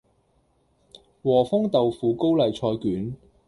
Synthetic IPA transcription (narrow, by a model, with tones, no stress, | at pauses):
wɔː˨˩fʊ˥ŋt̪ɐ˨wfuː˨ko˥wlɐ˨jt͡ʃʰɔː˧jkyː˨˥n